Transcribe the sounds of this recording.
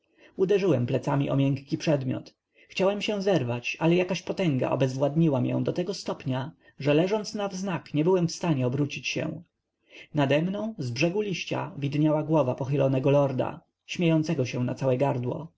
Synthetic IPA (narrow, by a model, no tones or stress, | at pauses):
ud̪ɛʐɘwɛmplɛt̪samʲiʔɔ̰mʲjɛŋkːʲipʂɛd̪mʲjɔ̰t̪ | xt͡ɕawɛmɕɛw̃zɛɾvat͡ɕalɛjakaɕpɔt̪ɛŋɡa̰ʔɔ̰bɛzvwad̪ɲiwamjɛ̰̃w̃d̪ɔt̪ɛɡɔst̪ɔpɲa | ʐɛlɛʐɔnt̪snavznakɲɛbɘwɛmfst̪aɲɛɔbɾut͡ɕit͡ɕɕɛ̰w̃ | nad̪ɛmnɔ̃w̃zbʐɛɡulʲiɕt͡ɕa̰vʲid̪ɲawaɡwɔvapɔxɘlɔnɛɡɔlɔɾd̪a̰ | ɕmʲejɔnt̪sɛɡɔɕɛw̃nat̪sawɛɡaɾd̪wɔ̰